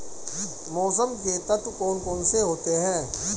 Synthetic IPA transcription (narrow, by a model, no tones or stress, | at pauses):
mɔːs̬əmket̪ɐt̪kɔːnkɔːnseɦoːt̪eɦɛ̃ː